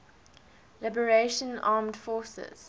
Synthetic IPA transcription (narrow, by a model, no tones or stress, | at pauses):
lɪbəɹeʃə̃nɑːmdfɔːsə̰z̥